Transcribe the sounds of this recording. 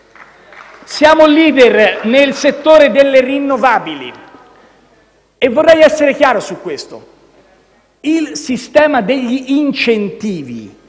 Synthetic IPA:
sjaːmoliːd̪ernelset̪ːoːɾed̪elːerinːovaːbilḭ | evːorːɛjɛsːeɾekjaːɾosukːwest̪o̰ | ilsist̪ɛːmad̪eʎːiʔːnt͡ʃent̪iːvḭ

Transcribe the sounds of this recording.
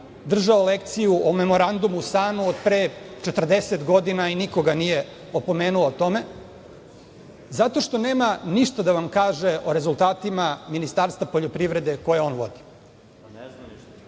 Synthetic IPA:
d̪r̩ʒaolek̚t̪sijuʔome̞mo̞ɾand̪umust̪aːnuod̪pɾet͡ʃet̪r̩d̪eset̪ɡo̞d̪inainiko̞ɡanije̞ | opo̞meːnuot̪o̞me̞ | zat̪o̞ʃt̪o̞neːmaniʃt̪ad̪aʋamkaːʒeʔo̞ɾe̞zulˠt̪aːt̪imaminist̪aːɾst̪vapoʎopɾiʋɾe̞d̪e̞ko̞jeo̞ːnʋo̞̰d̪i̥

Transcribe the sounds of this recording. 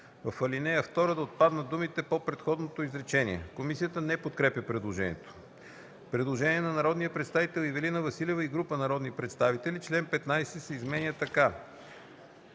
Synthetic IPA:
vɐfɐlinɛjəft̪ɔɾəd̪ɐot̪̚pad̪nɐd̪umit̪ɛpopɾɛt̪xɔd̪not̪oizɾɛt͡ʃɛnḭɛ̰komisijət̪ənɛpot̪̚kɾɛpʲjəpɾɛd̪lˠoʒɛnʲiɛ̰t̪o̥ | pɾɛd̪lˠoʒɛniɛnɐnɐɾɔd̪nijəpɾɛt̪st̪avit̪ɛlˠivɛlinəvɐsilɛvəiɡɾupənɐɾɔd̪nipɾɛt̪st̪avit̪ɛlit͡ʃlɛnpɛt̪najsɛsɛizmɛnʲət̪ɐka

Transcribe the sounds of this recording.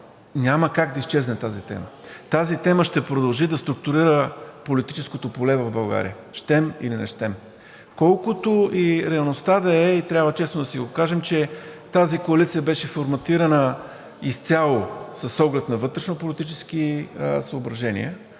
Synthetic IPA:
nʲaməkaɡd̪ɐist͡ʃɛznɛt̪azit̪ɛ̰mət̪azit̪ɛməʃt̪ɛpɾod̪ɐlˠʒid̪ɐst̪ɾʊk̚t̪ʊɾiɾəpolit̪i̥t͡ʃɛskot̪opolɛvɐvbɐlˠɡa̰ɾḭə̰ | ʃt̪ɛmḭlinɐ̰ʃt̪ɛm | kɔlˠkʊt̪oʔiɾɛɐlˠnost̪ad̪ɐɛit̪ɾʲjabvət͡ʃɛsnod̪ɐsiɡokaʒɛmt͡ʃɛt̪azikoɐlit̪sijəbɛʃɛfoɾmɐt̪iɾənə | ist̪sʲalˠosəsːɔɡlɛt̪nɐvɤt̪ɾɛʃnopolit̪it͡ʃɛsk̟isəobɾɐʒɛnḭɛ̰

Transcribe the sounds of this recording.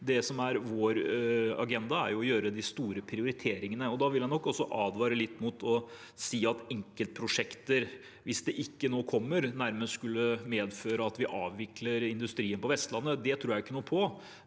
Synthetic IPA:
d̪ɛsɔmæɾʋoːɾɑ̰ɡɛnd̪ɑæ̰ɾjʊɔjøːɾəd̪ɪst̪uːɾəpʰɾɪʊɾɪt̪ʰeːɾɪŋənəɔd̪ɑʋɪljɛnɔkːɔsːɔʔɑːd̪ʋɑːɾəlɪt̪ːmʊt̪ʰɔ | siːɑt̪ɛŋkəlt̪̚pʰɾʊʂɛkt̪əɾ | ʋɪsd̪ɛʔɪkːənoːkʰɔmːəɾnæɾməsskʉlːəmeːd̪føːɾəɑt̪ʋɪʔɑːʋʋɪkləɾɪnd̪ʉst̪ɾiːənpɔʋɛst̪lɑnːəd̪ɛt̪ʰɾuːɾjæɪkːənuːpʰɔ

